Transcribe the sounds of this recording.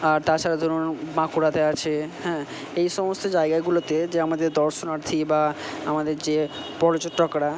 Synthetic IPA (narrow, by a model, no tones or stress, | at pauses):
aɾt̪aɾt͡ɕʰaɾad̪ʱoɾonnmakuɾat̪eat͡ɕʰehɛ̃ː | ejʃɔmost̪od͡ʑaeɡaɡulot̪ed͡ʑeamad̪eɾd̪ɔɾʃonaɾt̪ʰibaamad̪eɾd͡ʑe | pɔɾot͡ɕoʈːokɾa